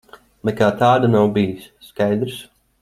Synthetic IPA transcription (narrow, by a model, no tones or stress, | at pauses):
mɛkaːt̪aːd̪anawbijisːkajd̪ɾs